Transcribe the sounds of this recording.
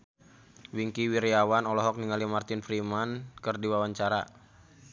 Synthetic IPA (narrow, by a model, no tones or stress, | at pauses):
wiŋkiwiɾiawanɔlɔɦɔk̚niŋalimart̪ɪnfɾimankɨrdiwawaɲt͡ʃaɾa